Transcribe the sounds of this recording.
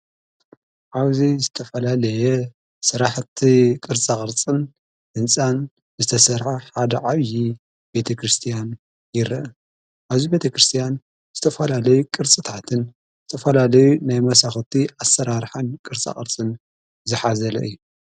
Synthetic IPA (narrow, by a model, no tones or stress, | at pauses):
ʕaβzizɨt̪ʰɐfɐlalɐjɛ | sɨɾaħt̪ʰikʼɨɾt͡sʼakʼɨɾt͡sʼɨn | ʔɨnt͡sʼan | zɨt̪ʰɐsɐɾħaħad̪ɐʕaβji | be̞t̪ʰɐkɾɨst̪ʰijan | jɪɾɐ̰ʔ | ʔaβzibe̞t̪ʰɐkɾɨst̪ʰijan | zɨt̪ʰɐfɐlalɐjukʼɨɾt͡sʼɨt̪ʰat̪ʰɨn | zɨt̪ʰɐfɐlalɐjunajmɐsaxt̪ʰiʔasːɐɾaɾħankʼɨɾt͡sʼa̰χʼɨɾt͡sʼɨn | zɨħazɐlɐ̰ʔɨjːu